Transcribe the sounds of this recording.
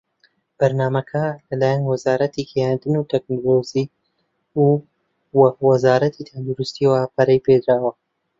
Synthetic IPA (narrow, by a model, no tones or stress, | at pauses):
b̥ɐɾnaːmɐkʰɐlɐlaːjanwɐzaːɾɐt̪ʰikʰejand̪ɨnut̪ʰɛk̚nolozi | u | wwɐzaːɾɐt̪ʰit̪ʰɐnd̪uɾust̪iwapʰɐɾɐjped̪ɾaːwɐ